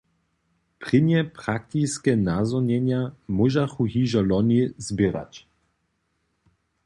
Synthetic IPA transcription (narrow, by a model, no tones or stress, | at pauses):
pʁ̥ɪnjɛpɾak̚t̪iskɛnazɔnjɛɲjamuʒaxuɦiʒalɔnizbɪɾa̰t͡ɕ